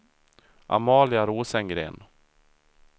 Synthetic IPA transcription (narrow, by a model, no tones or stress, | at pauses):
ʔa̰mɑːlɪaɾoːsɛŋɡɾḛːn